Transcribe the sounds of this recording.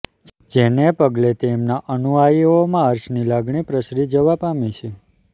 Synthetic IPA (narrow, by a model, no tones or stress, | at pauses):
d͡ʒenepəɡlet̪emnaʔənuajiomãəɾʃnilaɡɳipɾəsɾid͡ʒəʋapamit͡ʃʰe